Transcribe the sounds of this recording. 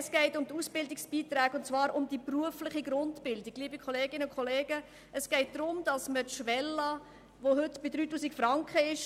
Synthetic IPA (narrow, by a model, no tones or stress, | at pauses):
sɡ̥ɛɪtʊmtusb̥ɪldɪksb̥iːtɾɛːkʊntt͡svɑːɾʊmd̥ipruəflɪχiɡɾʊntpɪldikɡ̥liːbikʰɔleːɡɪnəʊkʰɔleːɡə | ʔɛsɡ̥ɛɪt̚d̥ɾʊmd̥ɑsmətʃʋɛlːɑ | ʋoɦʏtb̥ɪdɾyːtuːsikfɾɑŋkχəɪʃ